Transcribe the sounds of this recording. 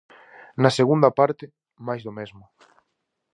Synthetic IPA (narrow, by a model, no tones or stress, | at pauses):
nɐseɣund̪ɐpaɾt̪ɪ | majzðomezmʊ